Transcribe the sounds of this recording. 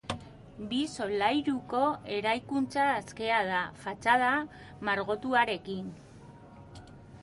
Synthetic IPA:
biso̞lajɾuko̞e̞ɾajkunt͡saːske̞að̞afat͡ʃað̞a | maɾɣo̞t̪uaɾe̞kin

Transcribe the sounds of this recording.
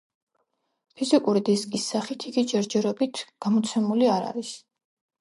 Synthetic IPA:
pʰizikʼuɾid̪iskʼisːaχit̪ʰiɡid͡ʒɛɾd͡ʒɛɾɔbit̪ʰɡ̥amɔt̪sʰɛmuliaɾa̰ɾis

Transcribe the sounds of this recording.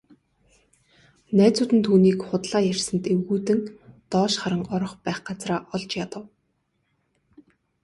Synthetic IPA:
næːt͡sʊːt̪ɘ̆nt̪ʰuːniːkχʊt̪ɮaːjærʲsə̆nt̪ewɣuːt̪ɘ̆nt̪ɔːʃχaɾə̆ŋɔɾɞ̆χpæːχɢat͡sraːʔɔɮt͡ɕjat̪ə̆w

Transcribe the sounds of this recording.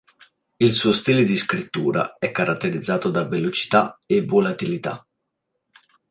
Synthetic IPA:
ilsuːost̪iːled̪iskɾit̪ːuːɾa̰ɛkːaɾat̪ːeɾid̪zːaːt̪od̪avelot͡ʃi̥t̪aevːolat̪ilit̪a̰

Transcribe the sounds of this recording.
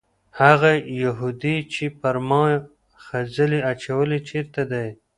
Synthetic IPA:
haɣajaɦud̪it͡ʃipaɾmɑ | xazəliat͡ʃawəlit͡ʃeɾt̪ad̪aj

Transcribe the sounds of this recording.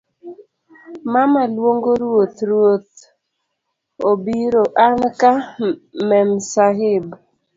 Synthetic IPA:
mamalwoŋɡoɾwot̪ɾwot̪ | obiɾoʔankamɛmsaɦɪb

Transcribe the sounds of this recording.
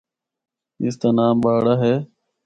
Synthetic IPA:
ɪ̰st̪aːnaːmɓaːɽaːɦeː

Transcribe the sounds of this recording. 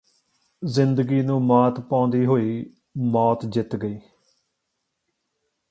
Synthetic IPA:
zɪnd̪əɡiːnũːmaːt̪pãːnd̪iːɦoːiː | mɔːt̪d͡ʒɪt̪ɡəiː

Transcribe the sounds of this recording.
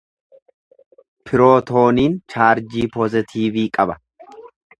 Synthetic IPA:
pʰɪɾoːt̪o̞ːniːnt͡ʃaːɾd͡ʒiːpɔzɪt̪ʰiːviːkʼɐbɐ

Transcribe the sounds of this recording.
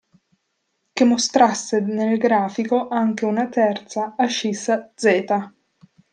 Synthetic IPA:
kemːost̪ɾasːenelɡɾaːfikoʔaŋkeunat̪ɛrt̪saːʃːisad̪zɛːt̪a

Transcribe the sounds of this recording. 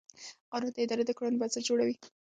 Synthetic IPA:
qɑnund̪əɪd̪ɑɾed̪əkaɽunobat͡səɾd͡ʒoɽawi

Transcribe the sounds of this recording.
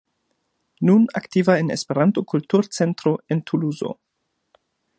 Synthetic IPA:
nuna̰ktivaenḛspe̞ɾanto̞kultuɾt͡se̞ntɾo̞e̞ntʰuluzo̞̰

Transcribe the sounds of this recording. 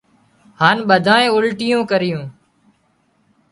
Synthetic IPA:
haːnɓəd̪ʱaːẽːʊlʈɪjõːkəɾɪjõː

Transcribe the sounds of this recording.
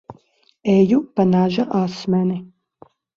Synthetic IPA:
ɛːjupanaʒaʔasmani

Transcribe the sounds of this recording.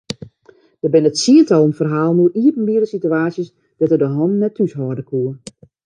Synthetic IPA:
d̥əbɪnətsiəntɔlˠənfərɦaːlˠnuʔiətən̩biədəsityaːsjəs | d̥ɛtədəɦɔnnɛtʰːysɦɔːrdəkʰuə

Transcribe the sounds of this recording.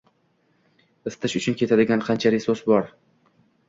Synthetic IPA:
ɪst̪ʰɪʃʊt͡ʃʰʊnkʲe̞t̪ʰad̪ɪɡʲanqʰɑnt͡ʃʰaɾɪsosbɒɾ

